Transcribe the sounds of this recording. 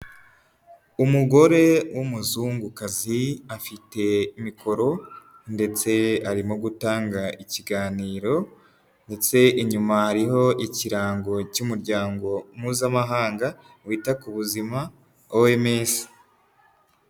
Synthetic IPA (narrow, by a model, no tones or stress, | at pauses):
umuɡo̞ɾe̞wʔumuzuːŋɡukaziafite̞imikʰo̞ɾo̞ | nde̞t͡se̞aɾimoɡutaːŋɡaʔiciɡaːniːɾo̞ | nde̞t͡se̞iɲumahaɾiɦo̞ʔiciɾaːŋɡo̞cumuɾɟaːŋɡo̞mŋuːzamaɦaːŋɡa | wiːtakuβuzima | owemeːsi̥